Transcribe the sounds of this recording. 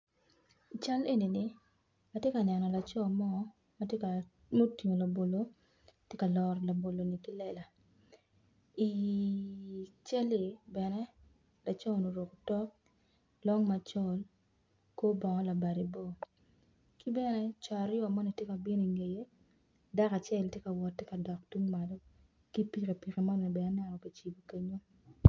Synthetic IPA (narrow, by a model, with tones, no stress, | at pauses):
i˨t͡ʃa˦le˦ni˨ni˨ | a˨tje˦ka˨nɛ˨nɔ˨la˨t͡ʃɔ˦˨mɔ˦ | ma˦te˦ka˨ | mo˦ti˨ŋo˨la˨bo˨lo˦ | tje˦ka˨lɔ˨rla˨bo˨lo˨ni˨ki˦lɛ˦˨la˨ | i˨ | t͡ʃɛ˦li˨bɛ˨nɛ˦ | la˨t͡ʃɔ˦˨no˨ɾo˨ko˨tɔ˦ | lɔ˦ŋma˨t͡ʃɔ˦l | ko˦bɔ˨ŋɔ˦la˨ba˨ɾi˨bo˦ | ki˦bɛ˦nɛ˦t͡ʃa˨ɾjo˦a˨mɔ˦ni˨tje˦ka˨bi˦ni˨ŋe˨je˦ | da˦ka˨t͡ʃɛ˦ltje˦ka˨wɔ˨tːje˦ka˨dɔ˨k̚tu˦ŋma˨lo˦ | ki˦pi˦˨ke˨pi˨ke˨mɔ˦nɔ˨ni˨bɛ˨nɛ˦nɛ˦nɔ˨ki˨t͡ʃi˨bo˨ke˦ɲo˦